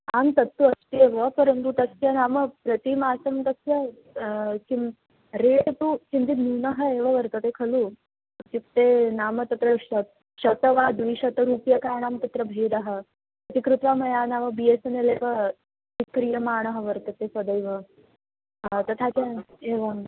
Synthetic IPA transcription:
ant̪ɐt̪ːuɐst̪eːʋəpɐɾənt̪ut̪ɐsjɐnaːməpɾɐt̪imaːsɐmt̪ɐsjɐ | ki | ɾeːʈt̪ukind̪inuːnɐɦəeːʋɐʋɐɾt̪ɐt̪ekʰɐlu | kikt̪enaːmət̪ɐt̪ɾɐɕɐ | ɕɐt̪əʋad̪ʋiːɕɐt̪ɐɾuːpjɐkaːɳaːmt̪ɐt̪ɾɐbʱeːd̪aɦə | ɐt̪ikɾut̪ʋamɐjaːnaːʋəbiesɐneleːʋɐ | tikɾijɐmaːɳ̃əɦəʋɐɾt̪ɐt̪esɐd̪əjʋə | t̪ɐt̪ʰat̪ɐeːʋa

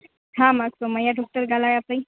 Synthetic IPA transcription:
hãmaksoməjaɖʱɔk̚ʈəɾɡʱalajapəj

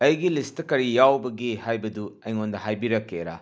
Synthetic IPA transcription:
ɐjɡilistɐkɐɾijawbɐɡihajbɐduɐjŋondɐhajbiɾɐkːeɾa̰

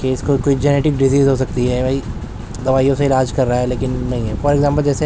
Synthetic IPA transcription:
keɪskokoːid͡ʒɛneːʈɪkɖɪziːzɦoːsɐkt̪iɦɛbʱɐi | d̪ɐʋaːijõseɪlaːd͡ʒkɐɾːaɦɛleːkɪnːɐɦĩɦɛfɔːɾeɡzãːmpəld͡ʒɛːse

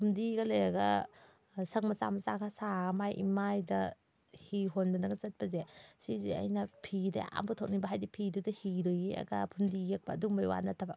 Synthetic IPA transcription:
pʰumdiɡɐlejɐɡɐ | sɐŋmɐsa̰mɐsakʰasamajʔḭmajdɐ | hiɦonbɐnɐɡɐzɐt̚pɐzesiziɐ̰jnɐpʰidɐ̰a̰mbutʰok̚nibɐɦajdipʰidudɐhidojeɐ̰ɡɐpʰumdijek̚bɐːduŋbɐjwa̰nɐtʰɐbɐ

